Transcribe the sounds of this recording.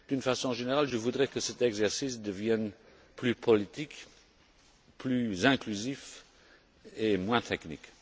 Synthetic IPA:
d̪̥ynfasɔ̃ʒeneʁalʒəvud̪ʁɛkəsɛt̪ɛɡzɛʁsisd̪əvjɛn | plypʰɔlit̪ik | plyzɛ̃klyzif | emwɛ̃t̪ʰɛknḭk

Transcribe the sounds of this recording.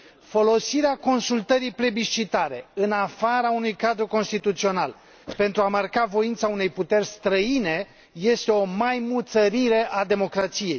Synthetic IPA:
fo̞lo̞siɾeako̞nsult̪əɾijpɾe̞biʃt͡ʃit̪aɾe̞̰ɨnafaɾaunujkad̪ɾuko̞nst̪it̪ut̪sio̞na̰l | pe̞nt̪ɾuamarkavo̞int̪saune̞jput̪e̞rʲst̪ɾəine̞ | je̞st̪e̞o̞majmut̪səɾiɾe̞ʔad̪e̞mo̞kɾat̪sije̞j

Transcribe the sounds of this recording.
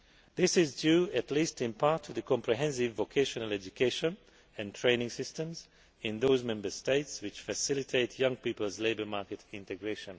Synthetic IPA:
ðɪsɪzdjʉːɨtʰlistɪ̃npʰaɹtʰɔðəkɔ̃mpʰɹiɦɛ̃ns̬ɪvːokʰeʃɔnəlɛd͡ʒukʰeɪʃə̃n | ɨ̃ntʰɹ̥ẽɪnɪ̃ŋsɪstə̃mz | ɪ̃nðoʊzmɛ̃mbə˞steɪtswɪt͡ʃfəsɪlɪtʰeɪtʰjʌ̃ŋpipəlˠzleɪbə˞maɹkɨtɪ̃ntɨɡɹeɪʃə̃n

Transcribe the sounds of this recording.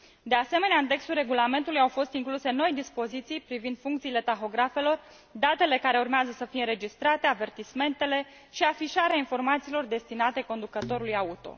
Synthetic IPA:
d̪e̞ase̞me̞neaɨnt̪e̞kst̪ulrɾe̞ɡulame̞nt̪ulujawfo̞st̪iŋkluse̞no̞jd̪ispo̞zit̪sijpɾivind̪̥fuŋkt̪siːle̞t̪axo̞ɡɾafe̞lo̞r | d̪at̪e̞le̞kaɾe̞urmeazəsəfijeɾe̞d͡ʒist̪ɾat̪e̞ave̞rt̪isme̞nt̪e̞le̞ | ʃiafiʃaɾeainfo̞rmat̪siːlo̞rd̪e̞st̪inat̪e̞ko̞nd̪ukət̪o̞ɾulujaut̪o̞̰

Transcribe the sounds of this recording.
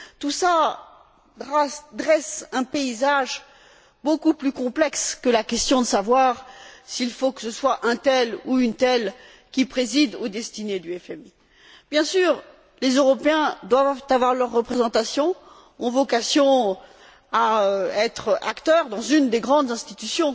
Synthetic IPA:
t̪usa | d̪ʁɛsɛ̃peizaʒ | bokuplykɔ̃plɛkskəlakʲɛst̪jɔ̃d̪əsavwaʁsiilfokə̥səswaʔɛ̃t̪ɛluynt̪ɛl | kʲipχezid̪od̪ɛst̪ined̪yɛfɛmi | b̥jɛ̃syːʁ | lezøʁɔpeɛ̃d̪wavvt̪avwaʁlœʁːəpχezɑ̃t̪asjɔ̃ | ɔ̃vɔkasjɔ̃ | aɛt̪χʔa̰kt̪œʁd̪ɑ̃zynd̪eɡʁɑ̃d̪zɛ̃st̪it̪ysjɔ̃

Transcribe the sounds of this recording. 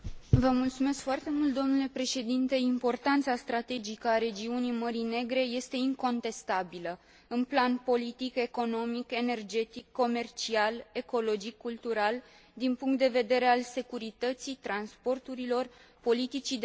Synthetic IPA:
vəmult̪sume̞skfoart̪e̞mult̪̚d̪o̞mnule̞pɾe̞ʃe̞d̪int̪e̞impo̞rt̪ant̪sast̪ɾat̪e̞d͡ʒikəaɾe̞d͡ʒiunijməɾijne̞ɡɾe̞je̞st̪e̞iŋko̞nt̪e̞st̪abilə | ɨnplanpo̞lit̪ike̞ko̞no̞mike̞ne̞rd͡ʒe̞t̪ikːo̞me̞rt͡ʃiale̞ko̞lo̞d͡ʒikːult̪uɾal | d̪inpuŋk̚t̪̚d̪e̞ve̞d̪e̞ɾe̞alse̞kuɾit̪ət̪sit̪ɾanspo̞rt̪uɾilo̞rpo̞lit̪it͡ʃid̪

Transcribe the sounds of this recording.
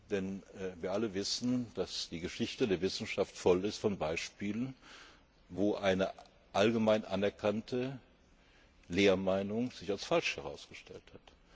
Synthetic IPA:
d̥ɛnːviːɐʔaləvɪsn̩d̥asd̥iːɡəʃɪçtədeːɐvɪsn̩ʃaftfɔlɪstfɔnbaɪʃpiːlən | voːʔaɪnə | ʔalɡəmaɪnʔanɛɐkʰantʰə | leːɐmaɪnʊŋz̥ɪçalsfalʃhɛʁ̞aʊsɡ̥əʃtʰɛlthat

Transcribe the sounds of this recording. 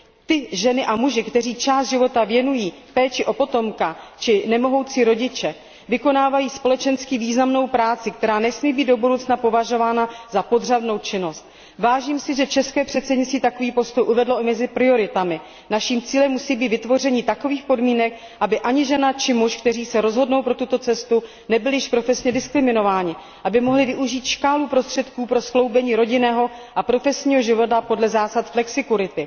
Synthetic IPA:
t̪ɪʒɛnɪʔamuʒɪkt̪ɛr̝iːt͡ʃaːstd̪ʒɪvo̞t̪avjɛnujiːpɛːt͡ʃɪʔo̞po̞t̪o̞mkat͡ʃɪnɛmo̞ɦo̞wt͡siɾo̞ɟɪt͡ʃɛ | vɪko̞naːvajiːspo̞lɛt͡ʃɛnskiviːznamno̞wpɾaːt͡sɪk̚t̪ɛɾaːnɛsmiːbiːd̪dobudowt͡snapo̞vaʒo̞vaːnazapo̞dr̝adno̞wt͡ʃɪno̞st̪̚ | vaːʒiːmsɪʒɛt͡ʃɛskɛːpr̝̥ɛt̪sɛdɲɪt͡st̪viːt̪ako̞viːpo̞st̪o̞jʔuvɛdlo̞ʔɪmɛzɪpɾɪo̞ɾɪt̪amɪ | naʃiːmt͡siːlɛmːusiːbiːt̪vɪt̪vo̞rɛɲiːt̪ako̞viːxpo̞dmiːnɛk | ʔabɪʔaɲɪʒɛnat͡ʃɪmuʃkt̪ɛriːsɛɾo̞zɦo̞dno̞wpɾo̞t̪ut̪o̞t͡sɛst̪u | nɛbɪlɪjɪʃpɾo̞fɛsɲɛdɪskɾɪmɪno̞vaːɲɪ | ʔabɪmo̞ɦlɪvɪʔuʒiːt̪ʃkaːlupɾo̞st̪r̥ɛt̪kuːpɾo̞sklo̞wbɛɲiːɾo̞ɟɪnɛːɦo̞ʔapɾo̞fɛsɲiːɦo̞ʒɪvo̞t̪apo̞dlɛzaːsat̪flɛksɪkuɾɪt̪ɪ

